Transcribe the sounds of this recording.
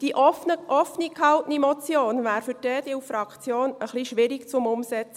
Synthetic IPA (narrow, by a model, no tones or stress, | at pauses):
d̥iʔɔnəʔɔfnikhɑltnimɔt͡sjoːnvæːɾfʏɾd̥ɛːdiufɾɑkt͡sjoːnəχliʃʋɪɾikt͡sʊmʊmsɛt͡sə